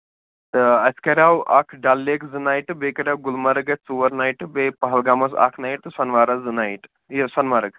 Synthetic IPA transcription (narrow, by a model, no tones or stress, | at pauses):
t̪ɨɐskɐɾʲawʔa̰kʰɖalːekzɨnajʈbekɐɾʲawɡulmɐɾɐɡɐt͡suʋɐɾnajʈbepɐɦɐlɡaːmɐsa̰kʰnaːjiʈ̚t̪ɨsɐnʋaːɾɐzɨnaiʈ | jesɐnʋɐɾɐk